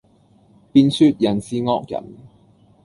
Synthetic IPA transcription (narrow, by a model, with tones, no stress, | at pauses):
piː˧nsyː˧t̚jɐ˨˩nsiː˧ŋɔː˧˥k̚jɐ̰˨˩n